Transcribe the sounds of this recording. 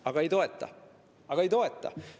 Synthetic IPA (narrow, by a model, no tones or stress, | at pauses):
ɑɡ̥ɑe̞jt̪o̞et̪ˑːɑ̰ | ɑɡ̥ɑejt̪o̞e̞t̪ːˑɑ̰